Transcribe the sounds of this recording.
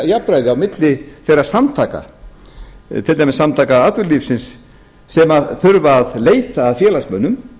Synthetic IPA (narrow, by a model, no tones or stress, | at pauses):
japɾajðɪawmɪt̪lɪθejrːḁsamt̪ʰaːka̰ | t̪ʰɪlt̪ajmɪsːamt̪ʰaːkaat̪vʏɾliːfsɪnsː | ɛmaθʏɾvaːðleːjt̪aːðfjɛːlasmœːnːʏm